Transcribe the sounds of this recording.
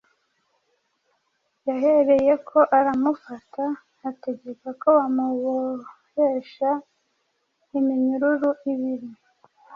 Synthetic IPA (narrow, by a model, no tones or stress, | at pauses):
jaɦe̞ɾe̞je̞kʰo̞ʔaɾamufataː | te̞ɟe̞kako̞βamuɣo | heʃa | imiɲuɾuɾuʔiβiɾi